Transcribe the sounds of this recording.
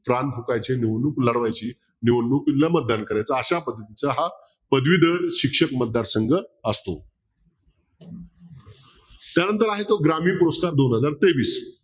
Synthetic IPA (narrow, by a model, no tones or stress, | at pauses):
fɾanfukajt͡ɕeniʋənukləɽʋajt͡ɕiː | niʋənːukinləmət̪̚d̪ankəɾajt͡saːɕapəd̪ʱːət̪it͡səɦa | pəd̪ʋid̪əɾɕikʂəkmət̪̚d̪aɾsəŋɡəəst̪o̰ | t̪janənt̪əɾaɦet̪oɡɾamiːpuɾoskaɾd̪onɦəd͡zaɾt̪eʋiːs